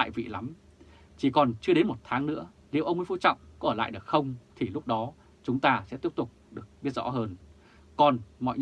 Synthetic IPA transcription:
a̰ː˧˨jvḭ˧˨la˨˦m | t͡ɕi˨˩kɔ˨˩nt͡ɕɨ˧ə˧ɗe˨˦nmo˨˩t̚t̪ʰaː˨˦ŋnɨ̰˧˥ə | lḭ˧˨ʔə˧wŋ͡mfu˧˩t͡ɕɔ̰˧˨wŋ͡mkɔ˨˦ʔəː˧˩la̰ː˧˨jɗɨ˨˩ək̚xə˧wŋ͡mt̪ʰi˨˩lʊ˦˥k͡p̚ɗɔ˨˦ | t͡ɕʊ˨˦ŋ͡mt̪aː˧sɛ̰˧˥t̪i˦˥p̚t̪ʊ˨˩k͡p̚ɗɨ˨˩ək̚ɓi˦˥t̚zɔ̰˧˥ɦəː˧n | kɔ˨˩nmɔ̰˧˨jɲ

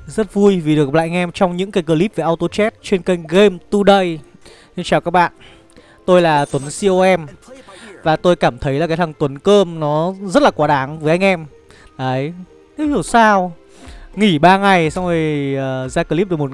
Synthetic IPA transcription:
zə˦˥t̚vu˧jvi˨˩ɗɨ˨˩k̚la̰ː˧˨˧ŋ˧ʔɛ˧mt͡ɕɔ˧wŋ͡mɲɨ̰˧˥ŋkaː˨˦jk̬əː˧li˦˥p̚ve˨˩ʔa˧wt̪o˧t͡ɕɛ˦˥t̚t͡ɕe˧nkə˧jŋɣe˧mt̪u˧ɗə˧j | sɨ˧t͡ɕaː˨˩wkaː˦˥k̚ɓa̰ː˧˨n | t̪o˧jlaː˨˩t̪wə˨˦nsi˧ʔo˧ʔɛ˧m | vaː˨˩t̪o˧jkaː˧˩mt̪ʰə˨˦jlaː˨˩a˨˦t̪ʰa˨˩ŋt̪wə˨˦nkəː˧mnɔ˨˦zə˦˥t̚laː˨˩kwaː˨˦ɗaː˨˦ŋvəː˨˦jʔa˧ŋ̟ʔɛ˧m | laː˨˦j | ne˨˦hi˧˩əwsaː˧w | ŋi˧˩ɓaː˧ŋa˨˩jsa˧wŋ͡mvi˨˩jəː˨˩zaː˧kə˧li˦˥p̚ɗkmo˨˩t̚

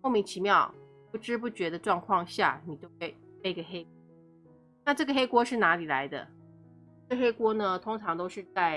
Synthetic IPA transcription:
ʊmi˧˥ŋt͡ɕʰi˧˥mjɑ˥˩ʊ | pu˥˩ʈ͡ʂɻ̩˥p̬u˥˩t͡ɕɥɛ˧˥d̪ə˨ʈ͡ʂwɑ˥˧ŋkʰwɑ˥˧ŋɕja̰˥˩ni˨˩t͡ɕjo˥˧ʊxwe˥˩ɪe˥˩i˧˥ɡə˧˩xe˥ɪk̚wɔ˥ | na˥˧ʈ͡ʂɤ˥˩ɡə˩xe˥ɪkwɔ˥ʂɻ̩˥˩na˧˥li˨˩la˧˦ɪd̪ə̰˧ | ɤ˥˩ə˧xe˥ɪkwɔ˥nə˧t̪ʰʊ˥ŋʈ͡ʂʰɑ˧˥ŋt̪o˥ʊʂɻ̩˥˧t͡sa˥˩ɪ

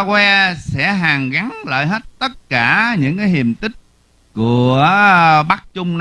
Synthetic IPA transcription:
kwɛ˧sɛ̰˧˥ɦaː˨˩ŋɣa˨˦ŋlə̰ː˧˨jɦe˦˥t̚t̪ə˦˥t̚kaː˧˩ɲɨ̰˧˥ŋkaː˨˦jɦi˨˩əmt̪ï˦˥k̚ | ku˧˩ə | ɓa˦˥k̚t͡ɕʊ˧ŋ͡mn

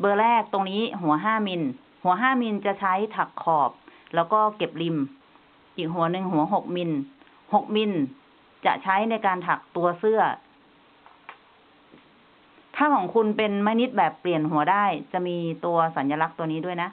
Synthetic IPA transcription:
bɤː˧lɛː˥˩k̚t̪o˧ŋniː˦˥ɦu˩˦ɐɦaː˥˩mi˧n | hu˨˩˦ɐɦaː˥˩mi˧nt͡ɕa˨˩t͡ɕʰa˦˥jt̪ʰa˨˩kʰːɔː˨˩p̚lɛː˦˥wkɔː˥˩ke˨˩p̚li˧m | ʔiː˨˩k̚ɦu˩˦ɐ˦nɯ˧ŋɦu˨˩˦ɐɦo˨˩k̚mi˧n | ho˨˩k̚mi˧n | t͡ɕa̰˨˩ʔt͡ɕʰa˦˥jna˧jkaː˧nt̪ʰa˨˩k̚t̪u˧ɐsɯ˥˩ɐ | t̪ʰaː˥˩mɔː˨˩˦ŋkʰu˧npe˧nmaː˧ni˦˥t̪̚bɛː˨˩pːli˨˩ənɦu˩˦ɐdaː˥˩jt͡ɕa˨˩miː˧t̪u˧ɐsa˩˦nja˧la˦˥k̚t̪u˧niː˦˥du˥˩ə˨jna˦˥ʔ

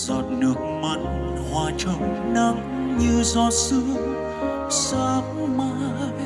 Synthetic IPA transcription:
zɔ˨˩t̚ɗɨ˨˩ək̚ma˧˩n | hwaː˨˩t͡ɕə˧wna˧ŋ | ɲɨ˧wzɔ˧˩t̚sɨ˧˦ | səː˧p̚maː˨˧

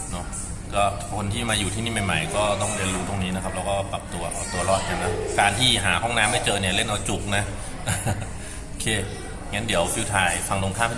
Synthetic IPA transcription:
nɔ˦˥ | kɔː˥˩ | kʰo˧nt̪ʰiː˥˩maː˧juː˨˩t̪ʰiː˥˩niː˥˩ma˨˩jma˨˩jkɔː˥˩t̪ɔ˥˩ŋɾi˧ənɾuː˦˥t̪o˧˩ŋniː˦˥na˧˦kʰa˦˥p̚lɛː˦˥wkɔː˥˩pa˨˩p̚t̪u˧ɐʔa˧˩wt̪u˧ɐɾɔː˥˩t̪̚na˧˩na˦˥kaː˧nt̪ʰiː˥˩ɦaː˩˦hɔ˥˩ŋnaː˧˥ma˥˩jt͡ɕɤː˧ni˥˩ɐle˥˩nʔa˧wt͡ɕu˨˩k̚na˦˥ʔ | ʔ | o˧˩kʰeː˧˩ | ŋa˦˥ndi˩˦əwp̪ʰi˦˥˩t̪ʰaː˧jfa˧ŋlo˧ŋkʰaː˥˩mʰi˥˩

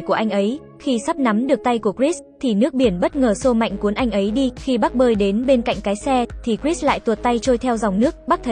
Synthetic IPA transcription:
jku˧˩əʔa˧jŋ̟ʔə˨˦j | xi˧sa˦˥p̚na˨˦mɗɨ˨˩ək̚t̪a˧jku˧˩əkɹi˦˥st̪ʰi˨˩nɨ˦˥ək̚ɓi˧˩ənɓə˦˥t̚ŋəː˨˩so˧ma̰˧˨jŋ̟ku˨˦ənʔa˧jŋ̟ʔə˨˦jɗi˧xi˧ɓa˦˥k̚ɓəː˧jɗe˨˦nɓe˧nka̰˧˨jŋ̟kaː˨˦jsɛ˧t̪ʰi˨˩kɹi˦˥s̚la̰ː˧˨jt̪u˨˩t̚t̪a˧jt͡ɕo˧jt̪ʰɛ˧wza˨˩wŋ͡mnɨ˦˥ək̚ɓa˦˥k̚t̪ʰə˨

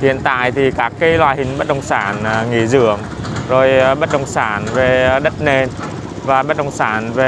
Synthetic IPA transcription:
tḭ˧˨ənt̪a̰ː˧˨jt̪ʰi˨˩kaː˦˥kːi˨˦jlwaː˧˩jhï˨˩ŋ̟ɓə˦˥t̚ɗə˧˩wŋ͡msaː˧˩˦nŋḭ˧˩zɨ̰˧˨əŋ | zo˨˩jɓə˦˥t̚ɗə˧˩wŋ͡msaː˧˩˦nve˨˩ɗə˦˥t̚ne˧n | vaː˨˩ɓə˦˥t̚ɗə˧˩wŋ͡msaː˧˩nve˨˩

